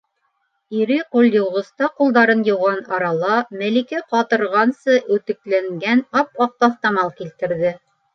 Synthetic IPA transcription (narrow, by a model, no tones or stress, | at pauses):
iɾɘqulʲˠjɤ̆wʁɤ̆st̪ɑqulˠd̪ɑɾɤnjɤ̆wʁɑnɑɾɑlˠɑmælikæqɑt̪ɤ̆ɾʁɑnsɤʔʉt̪ɘ̆klæŋɡænɑpɑq̚t̪ɑθt̪ɑmɑlˠkilt̪ɘ̆ɾðɘ